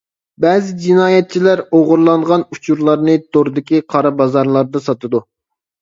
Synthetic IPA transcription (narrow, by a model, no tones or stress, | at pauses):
bɛːzɪd͡ʒinɑːjɛt̪̚t͡ʃʰilæɾoʁʊɾlˠɑɴʁɑnut͡ʃʰuɾlˠɑɾnɨd̪oɾd̪ɪkʲiqʰɑɾɑbɑzɑɾlˠɑɾd̪ɨsɑt̪ɨd̪u